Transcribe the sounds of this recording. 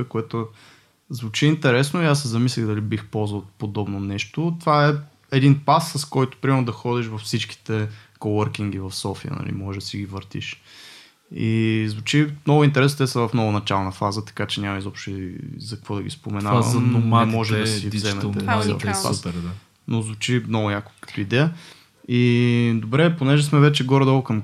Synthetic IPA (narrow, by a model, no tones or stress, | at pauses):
əkoɛt̪o | zvut͡ʃiint̪ɛɾɛs̬noiasːɛzɐmislʲiɣd̪ɐlibixpɔlˠzvəlˠpod̪ɔbnonɛʃt̪ot̪vaɛ | ɛd̪inpasːɐskɔjt̪ʊ̥pɾimɛɾnʊd̪ɐxɔd̪iʃvɐfsit͡ʃki̥t̪ɛkowəɾkiŋɡ̟ivɐfsɔfijə̰nɐ̰lḭmɔʒɛd̪ɐsiɡivəɾt̪ḭʃ | ḭzvut͡ʃimnɔɡʊint̪ɛɾɛst̪ɛsəvɐfnɔvɐnɐt͡ʃalˠnəfazət̪ɐ̥kat͡ʃɛnʲamɐizɔpʃt̪ʊzɐkɐkvɔd̪ɐɡʲḭspomɛnaɐ̰nomamɔʒɛd̪sizɛmɛɛɔ̰ʃpa̰sɾd̪a | nozvut͡ʃimnɔɡʊnʲako̥kə̥t̪ʊid̪ɛə | id̪obɾɛponɛʒɛsmɛvɛt͡ʃɛɡɔɾd̪olˠkɐm